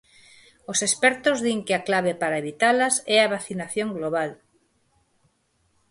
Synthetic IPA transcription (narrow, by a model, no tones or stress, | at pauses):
osespɛɾt̪ozðiŋkɪaklaβ̞epaɾaeβit̪alɐsɛaβaθinaθjõŋɡloβal